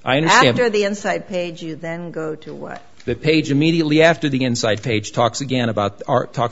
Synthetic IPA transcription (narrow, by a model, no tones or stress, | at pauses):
ʔaɪʌ̃ndə˞sææ̃ntə˞ðiɪ̃nsaɪd̚pʰeɪd͡ʒjɨðɨ̃nɡoʊɾəwʌ̰t̚ðɨpʰeɪd͡ʒɨmiɾiɨtˡliæftə˞ðiɪ̃nsaɪd̚pʰeɪd̥ʒ̥tʰɔksɨɡɛ̃ɾ̃əbaʊt̪̚ɑ̰ɹtʰɔ